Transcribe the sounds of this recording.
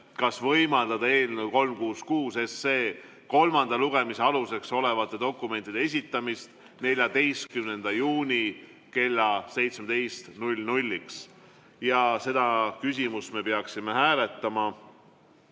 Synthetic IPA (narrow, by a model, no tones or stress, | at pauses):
kɑsvɤ̞jmɑld̪ɑd̪ɑe̞ːlnuwko̞lmkuːskuːse̞se̞ː | ko̞lmɑnd̪̥ɑluɡ̥e̞miseɑluse̞kso̞le̞vɑt̪ˑːe̞d̪o̞kːˑume̞nt̪id̪̥ee̞s̬ʲit̪ːˑɑmist̪ | ne̞lʲjɑd̪e̞jst̪̚kymne̞nd̪̥ɑjuːnʲi | ke̞lʲːɑse̞jt̪smed̪e̞jst̪nulʲnulʲːiks | jɑse̞d̪̥ɑkys̬ʲimust̪me̞peɑksime̞ɦæːle̞t̪ːˑɑmɑ